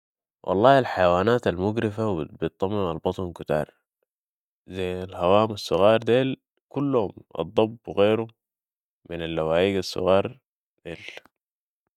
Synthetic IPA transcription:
wʔɑ̰lˤːɑːalħajawaːnaːt̪almʊɡɾɪfabbɪt̪ˤːɑmːɪmalbɑt̪ˤnkʊt̪ɑ̰ːɾˤ | zajnalhawaːmasˤːʊɣɑːɾˤd̪eːl | kulːhumʔɑ̰d̪ˤːɑbːwɣeːɾu | mɪnalːawaːʔiːɡasːʊ̰ɣɑːɾˤ | d̪̥eːl

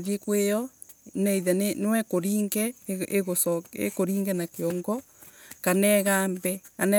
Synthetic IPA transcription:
ðiekwejɔ | nɛiðɛnenwɛkoɾiːŋɡɛeɣosɔḛkoɾiːŋɡɛnakeɔŋɡɔ | kanɛɣaːmbɛkanɛ

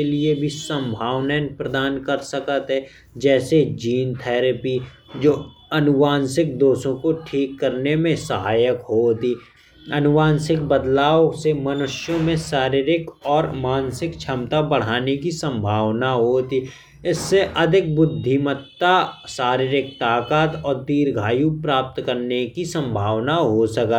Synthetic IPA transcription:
eliebʱisə̃mbʱaːʋnɛːnpɾəd̪aːnkəɾsəkət̪ɦɛ | d͡ʒɛːsed͡ʒiːnt̪ʰɛːɾəpi | d͡ʒoː | ɐnʊʋaːnsɪk̚d̪oːsõkoʈʰiːkːəɾnemẽsəɦaːjəkɦoːt̪iː | ɐnʊʋaːnsɪk̚bəd̪laːwsemɐnʊʃjõmẽsaːɾɪɾɪkɔːɾmaːnsɪkt͡ʃʰɐmt̪abəɽ̤aːnekisə̃mbʱaːʋnaɦoːt̪i | ɪsːeʔɐd̪ʱɪk̚bʊd̪ʱːimət̪ːasaːɾɪɾɪk̚t̪aːkaːt̪ɔːɾt̪iːɾɡʱaːjũpɾaːp̚t̪kəɾnekisə̃mbʱaːʋnaɦosəkə

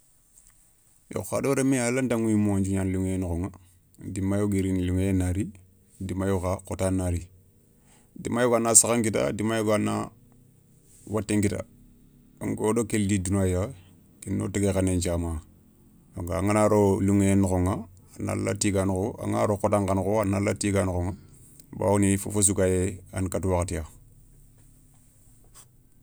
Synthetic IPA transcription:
jo̰xadoɾemealandaŋwimoɲd͡ʒuɲanluŋenkoŋa | dimajoɡeɾinluŋeenaɾi | dimajokakotanaɾi | dḭmajoɡanasakaŋkita̰dimajoɡana̰ | watːeŋkita̰ | ŋɡodokeldidunaja | tinːo̰tiɡekanend͡ʒama | aŋɡaŋanaɾoluŋeenxoŋa | ana̰lːa̰tiɡankoa̰ŋa̰ɾokotaŋkankoanalatiɡankoŋa | ba̰ːwunifṵfos̬ukajeankatwaktija

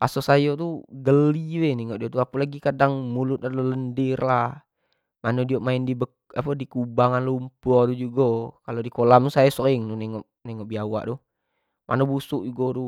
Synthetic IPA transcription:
pasosajot̪uɡəliwɛnɛŋɔʔdiot̪uapulaɡikadaŋmulut̪̚adloləndirla | manodioʔmaɪndibə | apədikubaŋanlumpuɔt̪ud͡ʒuɡɔkalodikolamusajasoiŋnunɛŋɔʔnɛŋɔʔbiawa̰ʔt̪u | mʔa̰nobusuʔd͡ʒuɡɔt̪u

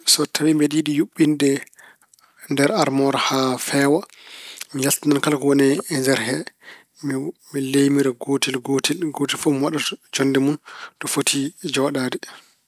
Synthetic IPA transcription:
sɔtʰawimbɛdiɗijuɓːinɗɛ | ndɛɾaɾmɔɾhafɛwa | mijastinankalkɔwɔnɛɛnd͡ʒɛɾɦɛ | milejmiɾɛɡotilɡotiɡotilfɔmiwaɗad͡ʒɔndɛmuntɔfotʰid͡ʒɔɗaːdɛ

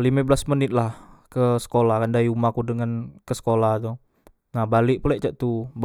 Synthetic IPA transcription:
limabəlasmənɪt̪̚lahkəsə̥kolahkandajumakudəŋankəsə̥kolaht̪o | nahbalɪʔpulɛʔt͡ʃaʔt̪ub

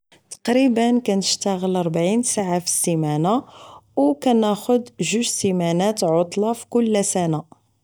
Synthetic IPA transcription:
t̪ɑ̥qɾibənkænəʃt̪əɣəlɑɾˤbʕinsaʕafi̥simænawkænæxʊd̪ʒuʒsimænæt̪ʕot̪ˤlɑfi̥kʊlːæsæna

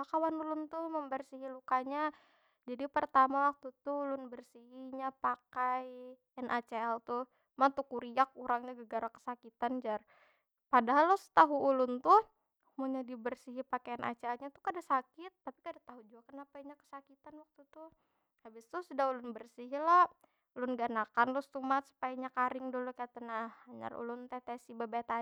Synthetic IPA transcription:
akawanulʊnt̪ʊhməmbərsiɦilukaɲa | d͡ʒadipərt̪amawak̚t̪ut̪uulʊnbərsiɦiɲapakaj | ɛnʔat͡ʃeɛlt̪ʊ | mat̪ukuɾiak̚uɾaŋɲaɡəɡaɾakə̥sakit̪and͡ʒar | padaɦalːɔsə̥t̪aɦuːlʊnt̪ʊ | muɲadibərsiɦipakeanʔa̰t͡ʃeɛlɲat̪u̥kadasakɪt̪ːapikadat̪aɦud͡ʒuakənapaiɲakə̥sakit̪anwak̚t̪ut̪ʊh | habɪst̪ʊsudahulʊnbərsiɦila | ulʊnɡanakanlʊst̪umat̪su̥pajaɲakaɾɪŋdulukaat̪anahaɲa̰rṵlʊnt̪ɛt̪ɛsibabat̪a

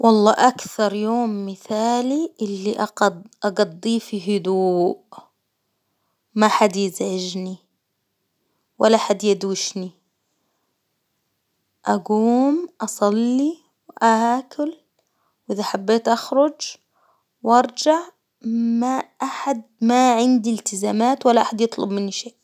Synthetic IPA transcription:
wʔɑlˤːɑːʔakθɑɾˤjoːmːɪθaːliʔɪlːiʔʔɑɡɑd̪ˤːiːfiɦʊd̪uːʔ | maħad̪jɪzʕɪʒni | walːaħad̪jad̪ːɪʃni | ʔaɡuːmʔɑsˤɑlːi | wʔaaːkʰʊl | wʔɪðaħabːeːt̪ʔaxɾˤʊd͡ʒ | wʔɑɾˤd͡ʒaʕ | maʔaħad̪̚maʕɪnd̪ilt̪ɪzaːmaːt̪walːaʔaħad̪jɨt̪ˤlʊbmɪnːiʃeːʔ

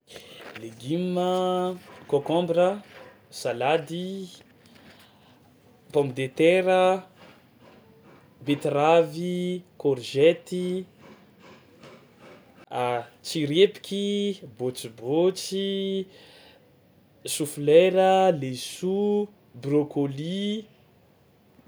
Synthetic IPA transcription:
leɡimə | kokɔ̃mbrə | salad̪i | pɔmid̪et̪eɾə | bet̪ravikɔɾʒɛt̪i | t͡siɾepi̥kʲibot͡sibot͡si | sufleɾəlesu | brokoli

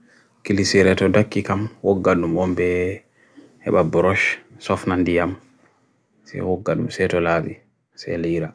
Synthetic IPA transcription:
kilisiɾɛtɔdakːikamwɔɡːaɗumɔmbɛ | hɛ̰ɓabɾɔʃsɔfnandijam | sɛ̰wɔɡːaɗumsɛtɔlaɓi | sɛ̰liɾa

